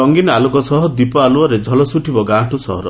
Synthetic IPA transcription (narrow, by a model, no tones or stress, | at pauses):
ɔŋɡinalukɔsɔɦɔd̪ipɔaluɔɾed͡ʒʱɔlɔsuʈʰibɔɡãʈusɔ̰ɦɔɾɔ̰